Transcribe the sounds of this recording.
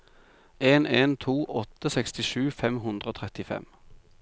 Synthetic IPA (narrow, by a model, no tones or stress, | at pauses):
eːneːnt̪ʰuːʔɔt̪əsɛkst̪ɪʃʉːfɛmɦʉnd̪ʁəoːt̪ʰʁɛt̪ɪfɛ̰m